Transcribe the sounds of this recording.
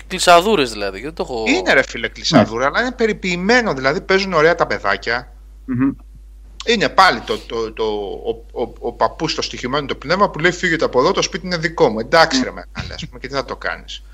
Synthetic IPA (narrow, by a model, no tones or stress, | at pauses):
klisɐðuɾezðilɐðicðet̪o̞xoine̞ɾefileklisɐðuɾeɐlɐine̞pe̞ɾipiːme̞no̞ðilɐðipe̞zuno̞ɾe̞ɐt̪ɐpe̞ðɐ̰cɐ | ine̞pɐlit̪ot̪ot̪oː | pɐpust̪o̞st̪içime̞not̪o̞pne̞vmɐpule̞ifiʝe̞t̪eɐpo̞ðo̞t̪o̞spit̪iineðiko̞mue̞nd̪ɐksiɾemeɐ̰lḭɐ̰spumecet̪iθɐt̪o̞kɐ̰nis